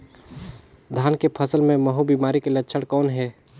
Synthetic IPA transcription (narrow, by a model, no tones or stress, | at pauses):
d̪ʱaːnkepʰəsəlmẽməɦubimaːɾikelətːʃʰəɽkɔːnɦɛː